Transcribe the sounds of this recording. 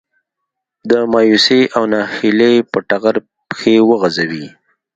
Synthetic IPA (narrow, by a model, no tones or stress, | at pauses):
d̪əmɑːjuseʔawnɑhilepəʈaɣaɾ | pxewəɣazawi